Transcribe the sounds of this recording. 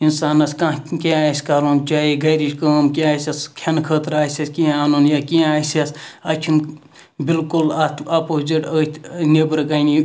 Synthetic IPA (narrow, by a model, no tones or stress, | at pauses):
insaːnɐskãkẽaːsʲkaɾoːnt͡ʃaːiɡɐjɾiʃkəːmkeaːsʲɐskʲʰɐnkʰəːt̪ɾaːsʲɐsʲkĩaːnonjakĩaːsɐsɐt͡ʃʰin | bilkulɐt̪ɐpoziʈəːt̪ʰʲnibɾɨkɐni